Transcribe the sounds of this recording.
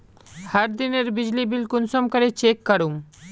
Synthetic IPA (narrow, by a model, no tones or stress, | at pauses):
haɾd̪ineɾbid͡ʑlibilkunsomkaɾet͡ɕekːaɾum